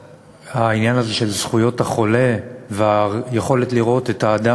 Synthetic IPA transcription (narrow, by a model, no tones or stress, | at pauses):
hainjanazeʃe̞lzχujo̞thaχo̞le̞veajeχo̞le̞tliʁo̞te̞taːd̪a